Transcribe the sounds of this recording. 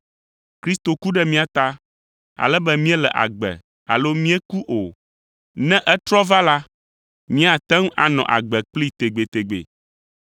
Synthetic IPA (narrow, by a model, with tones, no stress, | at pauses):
kɾi˦st̪o˨ku˦ɖɛ˦mĩ˦a˨t̪a˦ | a̰˨lɛ˦bɛ˦mĩ˦ɛ˦lɛ̰˨ʔa̰˨ɡ͡bɛ̰˨ | a̰˨lo˦mĩ˦ɛ˦ku˦ʔo˨ | nɛ̃˦ʔɛ˦t̪ɾɔ˦va˦la˦ | mĩ˦a˨t̪ɛ˦ŋ˦ʔa̰˨nɔ̰̃˨ʔa̰˨ɡ͡bɛ˨k͡pli˦t̪e˨ɡ͡be˨t̪e˨ɡ͡bḛ˨